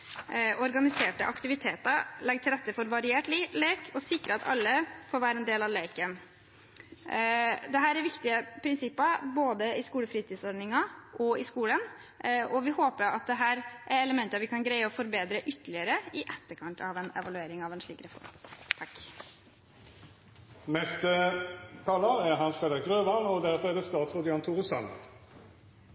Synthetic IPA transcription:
ɔɾɡɑnɪseːʈə̰ʔɑ̰kt̪ɪʋɪt̪ʰeːt̪ɑɾlɛɡ̚t̪ʰɪlɾɛt̪ːəfɔɾʋɑɾɪeːʈlileːkʰɔsɪkːɾəɑt̪ɑ̰lːəfoːɾʋæːɾəɛnd̪eːlɑʋleɪkən | d̪ɛɦæːɾæɾʋɪkt̪ɪəpʰɾɪnsɪpːɑboːd̪əɪskuːləfɾiːt̪ʰiːsɔɾɖnɪŋɑʔɔɪskuːlən | ɔʋɪhoːpəɾɑt̪̚d̪ɛɦæːɾʔæɾɛləmɛnt̪əʋɪkʰɑnɡɾæɪɔfɔɾbeːd̪ɾəʔʏt̪ːəlɪəɾəɪʔɛt̪ːəɾkʰɑnt̪ʰɑʋɛnɛ̰ʋɑlʉeːɾɪŋɑʋɛnʂɭiːkɾɛfɔ̰ɾmt̪ʰɑk | mɛst̪ət̪ʰɑːləʁæʁɦɑnspeːləʁɡʁøːʋɑnɔd̪æʁfɔɾɛʁd̪ɛst̪ɑːt̪sʁɔːd̪ɪɑnt̪ʰʊʁʊsɑnə̰d̪

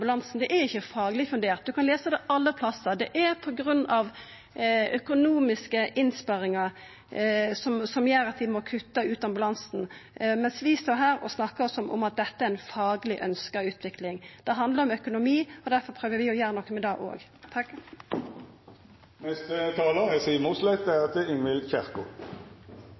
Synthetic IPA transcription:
bʉlɑnsn̩d̪ɛʔæɾɪçːəfɑːɡlɪfʉnd̪eːʁt̪̚d̪ʉkʰɑnleːsəd̪ɛʔɑlːəpʰlɑsəd̪ɛʔæɾpʰɔɡɾʉnːɑʋ | œkʊnuːmɪskəʔɪnspɑɾɪŋɑɾ | sɔmsɔmjæːɾət̪ʰiːmɔkʰʉt̪ːəʉːt̪ɑmbʉlɑnsn̩mɛnsʋɪst̪oːɾɦæːɾɔsnɑkːəɔsɔmʔɔ̰mɑt̪̚d̪ɛt̪ːəæɾɛnfɑːɡlɪʔœnskɑʉːt̪ʰʋɪklɪŋd̪̥ɛɦɑnd̪ləɾʁɔmœkʊnʊmiːɔd̪æɾfɔɾpʰʁøːʋəɾʋɪɔjæːɾnɔkːəmɛd̪ɑːɡʔo̰ːɡ | t̪ʰɑ | nɛst̪ət̪ʰɑːləɛsiːmuːslæɪt̪̚d̪æɑt̪əɪnʋɪlçæʁkʊ̰

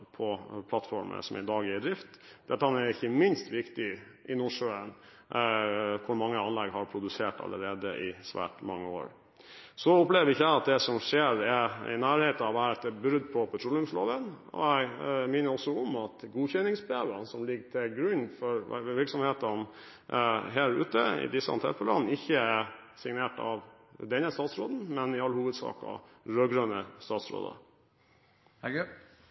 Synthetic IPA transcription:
pʰɔpʰlɑt̪ːfɔɾmə̰sɔ̰mɛ̰d̪ɑːɡɪd̪ɾɪft̪d̪̥æt̪ːɑnæɾɪçːəmɪnst̪ʋɪkt̪ɪ | ʔɪnɔʂøːən | kʰʊɾmɑŋːəɑnlɛɡɦɑɾpʰɾʊd̪ʉseːʈɑ̰lːə̰ɾeːd̪ə̰ʔɪsʋæ̰ːʈmɑŋːəo̰ːɾ | sɔʊpleːʋəɾɪçːəæɪɑt̪̚d̪ɛsɔmʂeːɾɛɾɪ̰næːɾheːt̪nɑʋæɾɛt̪ːɛbɾʏd̪ːpʰɔpʰɛt̪ʰɾɔlʊmslo̰ːʋən | ɔ̰ɛɡmɪːnəɾɔsːɔɔmɑt̪ɡuːçɛnːɪŋsbəeːʋənsɔmlɪɡːʈʰɪlɡɾʉɲfɔɾ̰ʋɪɾksɔmheːt̪ɑn | ɦeːɾʉ̰ːt̪əɪ̰d̪ɪsːəɑ̰nt̪ʰɛ̰fəlɑ̰nn̩ɪçːəæsɪŋneːʈɑ̰ʋ | d̪ɛnːəst̪ɑːt̪sɾoːd̪n̩mɛnɪɑlːəhuːʋəd̪sɑ̰ːkɑ̰ | ɾøːɡɾøːnəst̪ɑːt̪sɾo̰ːd̪ɑ̰

